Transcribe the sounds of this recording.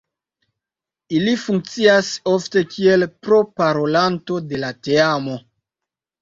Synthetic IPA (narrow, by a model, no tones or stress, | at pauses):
ilifuŋk̚t͡siaso̞fte̞kʰielpɾo̞paɾo̞lanto̞de̞lateamo̞